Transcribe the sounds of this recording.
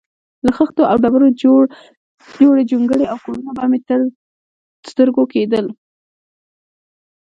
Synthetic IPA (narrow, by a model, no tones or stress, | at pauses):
laxəxt̪oawɖabaɾo | d͡ʒoɽed͡ʒuŋɡəɽeawkoɾunabamet̪ | st̪əɾɡoked̪əl